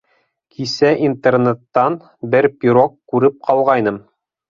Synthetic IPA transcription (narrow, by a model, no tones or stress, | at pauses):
kʰisæʔint̪ernet̪ːɑn | bɘɾpʲiɾokːʉɾɘp̚qɑlˠʁɑjnɤm